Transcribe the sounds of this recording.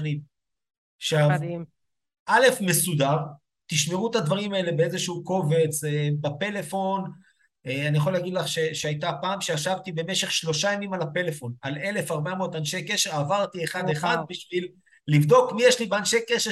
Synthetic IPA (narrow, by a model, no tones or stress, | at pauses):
nim | ʃav | ʔale̞fme̞sud̪aʁ | t̪iʃmeʁuet̪ad̪vaʁimae̞le̞beezeʃuuko̞ve̞t͡sebape̞le̞fo̞n | eanijaχo̞laːɡid̪laχʃe̞ʃeajt̪apaːmʃeaʃavt̪ibe̞meʃe̞χʃlo̞ʃajamimalape̞le̞fo̞nale̞le̞faʁbameoot̪anʃejke̞ʃeʁavaʁt̪ieχad̪eχad̪biʃvilː | ivd̪o̞kmijeʃlibeanʃejkeʃe